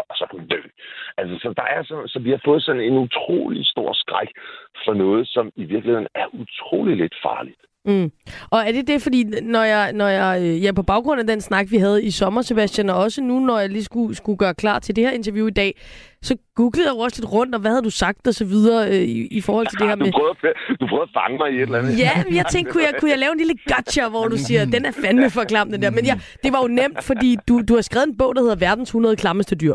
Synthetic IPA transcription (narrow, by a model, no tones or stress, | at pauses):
ɒsɒ̽kʰæmund̥ø̰ːʔælsəsɒ̽d̥ɑ̈æɐsɒnsɒ̽ʋihɑ̈fɔ̽ːð̞̩ˠsɒ̽n̩e̝nut͡sʰʁo̝̰ːlḭsd̥o̝ɐ̰sɡ̥ʁaɡ̥fɒnɔ̽ːð̞̩ˠsɒ̽miʋiɐɡ̥lihe̝ð̰ˠnæɐʔut͡sʰʁo̝̰ːliled̥fɑ̰̈ːlid̥̩ | ɒ̽æɐd̥e̝d̥e̝fɒd̥ḭːnɒjɑ̈ɪnɒjɑ̈ɪøjæpʰɒ̽b̥ɑ̈ʊɡ̥ʁɔ̽n̰æd̥ensnɑ̈ɡ̥ʋiɦæð̞ˠisɒ̽mɐse̝b̥æsd̥jænɒɒ̽sənunɒjɑ̈lisɡ̥usɡ̥uɡ̥ɶːɐkʰlɑ̰̈ːt͡sʰe̝ld̥e̝heɐe̝nt͡sʰɐʋjuid̥ɛ̰ːsɒ̽ɡ̥uɡ̥ləð̩ˠjäɒ̽səle̝d̥ʁɔ̽n̰d̥ɒ̽ʋæhæð̞̩ˠdusɑ̈ɡ̥̚d̥ɒ̽sɒʋið̞ˠɐːøiifɒːhɒl̰t͡sʰe̝ld̥e̝heɐ̰dumepʰʁœːd̥upʰʁœːðˠfɑ̈ŋəmɑɪiedlænjæmnjäɪt͡sʰeŋ̰ɡkʰːujaɪkʰujɑ̈ɪlɛːʊe̝nliləɡ̥ɑd̥ɕɐʋɒd̥usiːɐd̥enæɐfænmefɒ̽kʰlɑ̈md̥end̥æɐmenjɑ | d̥e̝ʋɑ̈jo̝nem̰d̥fɒ̽dḭːd̥ud̥uhɑ̈sɡ̥ɛːð̩ˠenb̥ɔ̰̽ʊ̰d̥he̝ðˠɐʋæɐd̥n̩shunɐðˠəkʰlɑ̈məsd̥əd̥yɐ̰